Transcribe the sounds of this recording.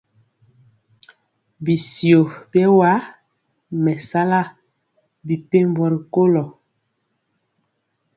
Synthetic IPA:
bi˨si˨o˨bɛ˦wa˦ | mɛ˨sa˦la˦ | bi˨pe˦m˦bɔ˨ɾi˨ko˦lɔ˨

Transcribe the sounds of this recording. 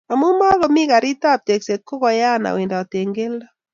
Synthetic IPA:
a˨mu˦ma˦ɣɔ˨mi˦ka˨ɾi˦ta˦˨p̚te˨kse˨kːo˦kɔ˨ja˦˨na̰˨we˨nda˨te˨ŋɡe˦lɔ˦

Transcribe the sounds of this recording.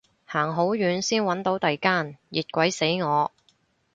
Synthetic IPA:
haː˨˩ŋɦo˨˥wjyː˨˧nsiː˥nwɐ˨˥nt̪o˨˥wt̪ɐ˨jkaː˥njiː˨t̚kʷɐ˨˥jse˨˥jŋɔː˨˧

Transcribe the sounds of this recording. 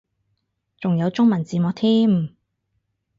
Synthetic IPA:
t͡sʊ˨ŋjɐ˨˧wt͡sʊ˥ŋmɐ˨˩nt͡siː˨˧mɔ˨˥k̚t̪ʰiː˥m

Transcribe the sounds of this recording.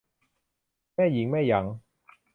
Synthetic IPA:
mɛː˥˩jiː˨˥ŋmɛː˥˩jɐ˨˥ŋ

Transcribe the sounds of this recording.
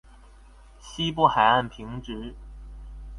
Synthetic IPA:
ɕi˥pu˥˩xa˨˩ɪa˥˩npʰi˧˥ŋʈ͡ʂ̩˧˥

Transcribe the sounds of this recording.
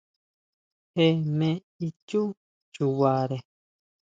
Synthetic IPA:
he˧mẽ˧ | i˦cu˦ | t͡ʃu˨wa˨ɾe˨

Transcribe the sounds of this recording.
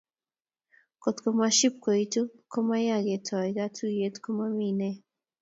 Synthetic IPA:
ko˨t̪koma˧ʃi˦p̚ko˨jt̪u˦ko˦ma˦jaɡe˨t̪ʰa˨jɡa˦tʰuje˦t̪ko˦ma˧mine

